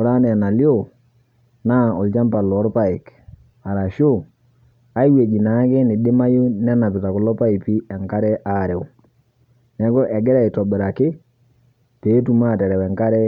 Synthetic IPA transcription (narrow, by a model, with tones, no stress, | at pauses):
ʊ˨ɾa˦nɛ˨na˨lo˦˨ | naː˦ɔ˨lt͡ʃa˦mpa˨lɔː˨˦ɾpa˦˨ɪ˨k | a˨ɾa˨ʃo˦˨ | a˦je˨d͡ʒi˨na˨˦kɪ˦nɪ˨dɪ˦ma˦ju˦nɛ˦na˨pɪ˨ta˨kʊ˨lɔ˦pa˦ɪ˨pi˦ɛ˨ŋka˦ɾɛ˦ʔa˦˨ɾɛ˨ʊ˨ | nɛ˨˦kɔ˦ʔɛ˨ɡɛ˦ɾɛ˨ɪ˨tɔ˨bɪ˨ɾa˨kɪ˦ | teː˨˦tu˨ma˦˨tɛ˨ɾɛ˨wɛ˨ŋka˦ɾɛ˦